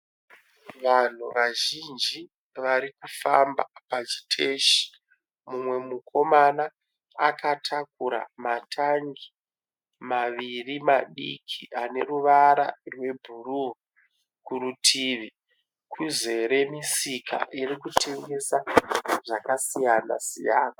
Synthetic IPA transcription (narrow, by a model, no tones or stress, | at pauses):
ʋan̤uʋaʒind͡ʒi | ʋaɾikufamba̰pat͡ʃi̥tʰe̞ʃi̥ | mumwe̞mukʰo̞manaː | katʰak̚uɾa̰matʰaŋɡi | maʋirimaɗḭkʰiane̞ruʋaɾa̰rwe̞bʱuru | kuɾutʰiʋi | kʰuze̞ɾe̞misikʰa̰ʔiɾikutʰe̞ŋɡe̞saʐakasijana̰sḭja̰ːna